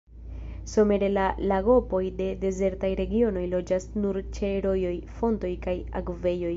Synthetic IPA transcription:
so̞me̞ɾe̞lalaɡopo̞jde̞de̞ze̞ɾtajɾe̞ɡio̞no̞jlo̞d͡ʒasnuɾt͡ʃe̞ɾo̞jo̞jfo̞nto̞jkaja̰ɡve̞jo̞j

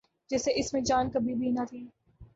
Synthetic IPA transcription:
d͡ʒɛseʔɪsmẽd͡ʒaːnkɐbʱibʱinɐt̪ʰiː

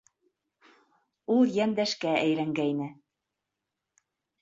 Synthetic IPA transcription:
ulˠjænd̪æʃkææjɾæŋɡæjnɘ

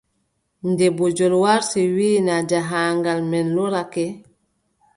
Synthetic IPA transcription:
ndɛbuɟɔlwaɾsiwiːnaɟaɦaːŋɡalmɛnluɾakɛ

